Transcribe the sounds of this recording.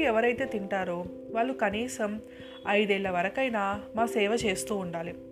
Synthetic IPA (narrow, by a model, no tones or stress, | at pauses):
iɛʋɐɾɐjt̪e̞ːt̪iɳʈaːɾo | ʋaːɭːukɐniːsɐm | ɐjd̪ɛːɭːɐʋɐɾɐkɐjnaːmaːsɛːʋɐt͡ʃe̞ːst̪uːuɳɖaːli